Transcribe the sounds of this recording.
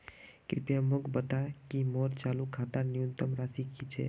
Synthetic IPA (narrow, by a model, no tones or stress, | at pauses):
kɾɪpjamʊkbət̪akimoɾt͡ʃaːlukʰaːt̪aɾnɪjunt̪əmɾaːsikit͡ʃʰḛ